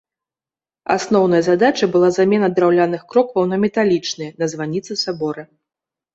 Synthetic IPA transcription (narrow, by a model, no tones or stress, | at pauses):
a̰snɔwn̪ɐjɐzad̪at͡ʂɐbɨlˠazamʲɛnɐd̪ɾawlʲanɨxkɾɔkvɐwnɐmʲɛt̪alʲit͡ʂnɨjnɐzvanʲːit̪sɨsabɔɾɐ